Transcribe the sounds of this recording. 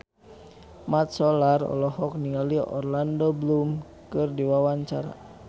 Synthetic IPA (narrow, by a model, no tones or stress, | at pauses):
mat̪̚sɔlarɔ̰lɔɦɔk̚niŋaliɔ̰rlandɔblum | kɨrdiwawaɲt͡ʃaɾa̰